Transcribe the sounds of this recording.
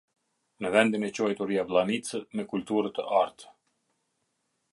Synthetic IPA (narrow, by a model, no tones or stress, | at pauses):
nəvɛnd̪inɛt͡ɕɔjt̪uɾijavlˠanit͡səmɛkult̪uɾət̪əʔaɾt̪ə̥